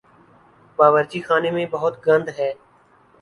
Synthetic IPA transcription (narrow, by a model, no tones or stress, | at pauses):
baːʋəɾt͡ʃiːxaːnemẽbəɦʊt̪ɡə̃nd̪ɦɛː